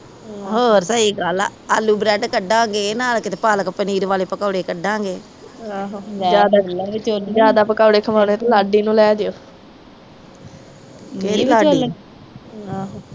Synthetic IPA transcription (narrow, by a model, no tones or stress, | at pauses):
ɦoːɾsaːiːɡal̰ːalːuːbɾɛːʈkəɖːãːŋɡeːnaːlkɪt̪eːpaːləkpəniːɾʋaːleːpəkaːɽeːkəɖːãːŋɡeː | aːɦd͡ʒjaːd̪aːod͡ʒjaːd̪aːpəkaːɽeːkʰəmaːɽeːt̪ːlaːɖiːnũːlɛːd̪eoː | keːɾiːlaːɖ | ãːɦ